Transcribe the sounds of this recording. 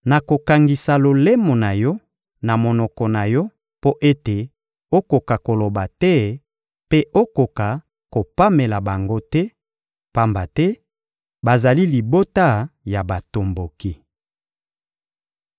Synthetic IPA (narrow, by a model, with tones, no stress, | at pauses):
na˨ko˨ka˨ŋɡi˨sa˨lo˨le˦mo˨na˨jɔ˦ | na˨mo˨nɔ˨kɔ˨na˨jɔ˦ | po˦ʔe˦te˨ | o˦ko˨ka˨ko˨lo˨ba˨tɛ˦ | pe˦ʔo˦ko˨ka˨ | ko˨pa˦me˨la˨ba˨ŋɡo˦tɛ˦ | pa˦mba˨tɛ˦ | ba˨za˨li˦li˨bo˦ta˦˨ja˨ba˨to˨mbo˨ki˦